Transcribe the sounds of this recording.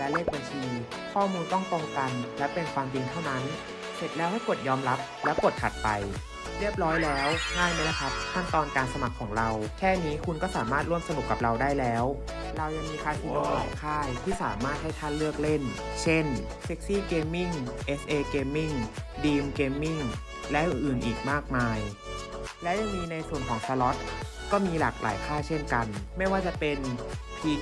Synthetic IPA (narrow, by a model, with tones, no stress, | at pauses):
lɛ˦˥leː˥˩k̚ba˧nt͡ɕʰiː˧ | kʰɔː˥˩muː˧nt̪ɔ˥˩ŋt̪o˧ŋka˧nlɛ˦˥pe˧nkʰwaː˧mt͡ɕi˧ŋt̪ʰa˥˩wna˦˥n | se˨˩t̪̚lɛː˦˥wha˥˩jku˨˩ət̪̚jɔː˧mɾa˦˥p̚lɛː˦˥pu˨˩t̪̚kʰa̰˨˩t̪̚pa˧j | ɾi˥˩əp̚ɾɔː˦˥jlɛː˦˥wŋaː˥˩jma˧˦˥la˧˩kʰa˦˥t̪̚kʰa˥˩nt̪ɔː˧nkaː˧nsa˧ma˨˩kʰːɔː˩˦ŋɾa˧wkʰɛː˥˩niː˦˥kʰu˧nkɔː˥˩saː˩˦maː˥˩t̪̚ɾu˥˩əmsa˧nu˨˩kːa˨˩p̚ɾa˧wdaː˥˩jlɛː˦˥w | ɾa˧wja˧ŋmiː˧kʰaː˧˩jkʰu˧nlɔ˧ɔ˨˩kʰaː˥˩jkʰuː˥˩saː˩˦maː˥˩t̪̚ha˥˩jt̪ʰaː˥˩nlɯ˥˩ək̚le˥˩n | t͡ɕʰe˥˩n | se˦˥k̚siː˥˩keː˧mːi˥˩ŋʔe˦˥sʔeː˧keː˧mːi˥˩ŋdiː˧mkeː˧mːi˥˩ŋ | lɛ˦˥ʔɯ˨nʔɯː˨˩nʔiː˨˩k̚maː˥˩k̚maː˧j | lɛ˦˥wja˧˩ŋmiː˦˧˥na˧jsu˨˩ənkʰɔː˩˦ŋsʰaː˧lɔ˦˥t̪̚ | kɔː˥˩miː˧la̰ː˨˩k̚lʔa̰ː˨˩˦jkʰaː˥˩jt͡ɕʰe˥˩nka˧nma˥˩jwaː˥˩t͡ɕa˨˩pe˧np̪ʰiː˧